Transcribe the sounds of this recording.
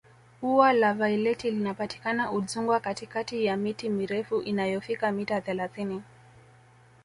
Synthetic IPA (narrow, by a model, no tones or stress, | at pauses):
uwalavailɛtilinapati̥kanaʔuzuŋɡwakatikatijamitimiɾɛfuʔinajɔfikamitaθɛlaθini